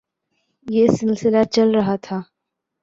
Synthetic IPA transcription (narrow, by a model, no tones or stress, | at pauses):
jeːsɪlsɪlat͡ʃɐlɾɐɦat̪ʰaː